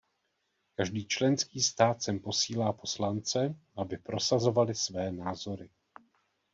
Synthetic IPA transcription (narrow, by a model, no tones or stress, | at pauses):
kaʒdiːt͡ʃlɛnskiːst̪aːt̪sɛmpo̞siːlaːpo̞slant͡sɛʔabɪpɾo̞sazo̞valɪsvɛːnaːzo̞ɾɪ